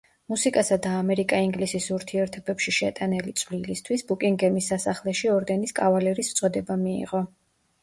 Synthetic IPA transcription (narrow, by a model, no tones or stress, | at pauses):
musikʼasad̪aːmɛɾikʼaiŋɡlisisuɾt̪ʰiɛɾt̪ʰɔbɛpʃiʃɛt̪ʼanɛlit̪sʼvlilist̪ʰwisbukʼiŋɡɛmisːasaχlɛʃiɔɾɡaniskʼavalɛɾist̪sʼɛd̪ɛbamiḭʁɔ